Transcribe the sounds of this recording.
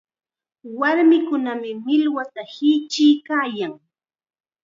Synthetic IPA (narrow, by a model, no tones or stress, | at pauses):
waɾmɪkʊnamɪmɪlwat̪ahɪt͡ʃɪjkaːjaŋ